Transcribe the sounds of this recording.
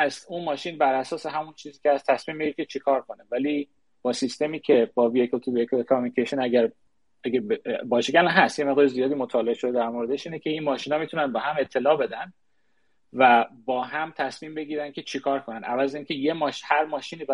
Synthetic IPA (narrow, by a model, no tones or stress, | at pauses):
æst̪unmɒːʃiːnbæɾʔæsɒːse̞ɦæmunt͡ʃʰiːziːcʰʲehæst̪ʰæsmiːmbe̞ɟiɾecʰe̞t͡ʃʰekʰɒːɾkʰo̞nevæliː | b̥ɒːsist̪e̞miːcʰe̞bɒːviekʰolt̪ʰuviekʰokʰomunikcʰeʃonæɡæɾ | æɡæbbɒːʃeɡælnɦæst̪jemeʁd̪ɒːɾezijɒːd̪iːmot̪ʰɒːle̞eʃo̞d̪ed̪æɾmoɾeeʃiːnecʰeinmɒːʃiːnɒːmit̪unænbɒːɦæme̞t̪ʰːe̞lɒːbe̞d̪ænd̪ | væbɒːɦæmt̪ʰæsmiːmbe̞ɡiːɾæn̚cʰe̞t͡ʃʰekʰɒːɾkʰonænʔævæzeiːncʰe̞je̞mɒʃhæɾmɒːʃiːniːb